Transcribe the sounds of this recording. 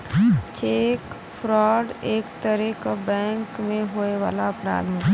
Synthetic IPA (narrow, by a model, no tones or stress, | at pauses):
t͡ʃeːk | fʰɾɔːɖeːkt̪əɾɛkabɛ̃ːŋkmẽɦoːeʋaːlaɐpɾa̰ːd̪ɦɛ̃ː